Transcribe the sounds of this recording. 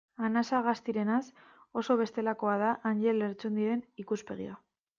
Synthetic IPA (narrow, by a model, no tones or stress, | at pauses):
anasaɣast̪iɾe̞nas | o̞so̞β̞e̞st̪e̞lako̞að̞aʔanʝe̞leɾt͡se̞nd̪iɾe̞nikuspe̞̰ɣḭa